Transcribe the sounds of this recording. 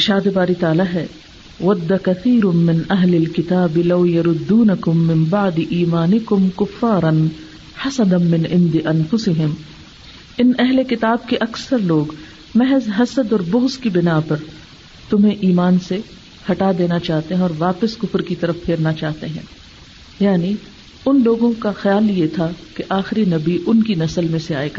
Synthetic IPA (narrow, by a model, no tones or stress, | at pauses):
ʃaːd̪ebaːɾit̪aːlaɦɛ | wɐd̪ːakɐθʰiːɾʊmɪnɐɦlɪlkɪt̪aːbɪlɐwjɐɾʊd̪ːuːnɐkʊmːɪ̃mbaʕd̪ɪʔiːmaːnɪkʊmkʊfːaːɾɐn | ħɐsɐd̪ɐnmɪ̃nʕɪ̃nd̪ɪʔɐnfʊsɪɦɪm | ɪnɛɦlekɪt̪aːb̚keʔɐksɐɾloːɡ | mɛɦɛzɦɐsəd̪ɔːɾbʊɣzkibɪnapɐɾ | t̪ʊmɦẽʔiːmaːnse | hɐʈad̪eːnat͡ʃaːɦt̪eɦɛ̃ɔːɾʋaːpɪskʊfɾkit̪ɐɾəfpʰeːɾnat͡ʃaːɦt̪eɦɛ̰̃ː | jaːni | ʊnloːɡõkaxjaːljet̪ʰakeʔaːxɪɾinɐbiʔʊnkinɐsəlmẽseaːeɡa